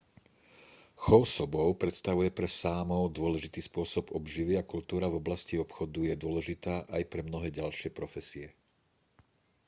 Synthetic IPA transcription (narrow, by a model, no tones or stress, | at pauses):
xɔʊsɔbɔʊpɾɛt̪st̪aʋujɛpɾɛsaːmɔʊd̪ʊɔlɛʒit̪iːspʊɔsɔbɔbʒiʋɪakult̪uːɾavɔblasciɔpxɔd̪ujɛd̪ʊɔlɛʒit̪aːʔajpɾɛmnɔɦɛːɟalʃɪɛpɾɔfɛsiɛ